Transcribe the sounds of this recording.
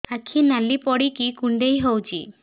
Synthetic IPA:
akʰinalipɔɽikikuɳɖejɦowt͡ʃʰḭ

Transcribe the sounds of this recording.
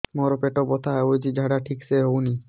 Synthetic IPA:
mɔɾɔpeʈɔbɔt̪ʰaɦɔeojtid͡ʒʱaɽaʈʰikseɦowni

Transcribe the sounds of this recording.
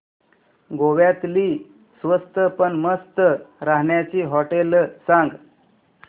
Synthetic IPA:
ɡoʋjat̪liː | sʋəst̪əpəɳməst̪əɾaɦɳjat͡ɕiːɦɔʈelsãŋɡ

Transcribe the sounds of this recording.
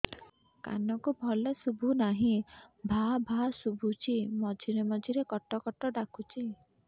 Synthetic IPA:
ka̰nɔkubʱɔlɔsubʱunaɦĩbʱabʱasubʱut͡ʃʰimɔd͡ʒʱiɾemɔd͡ʒʱiɾekɔʈɔkɔʈɔɖakʰut͡ʃʰi

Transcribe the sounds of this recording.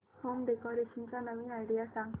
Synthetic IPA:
homɖekɔɾeʃənt͡ɕanəʋinajɖijasãŋ

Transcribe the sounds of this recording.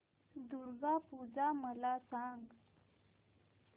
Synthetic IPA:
d̪uɾɡapud͡zaməlasaŋɡ

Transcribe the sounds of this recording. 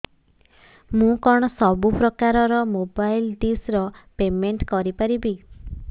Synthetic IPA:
mũkɔɽ̃ɔsɔbupɾɔkaɾɔɾɔmobajlɖisɾɔpemeɳʈkɔɾipaɾibi

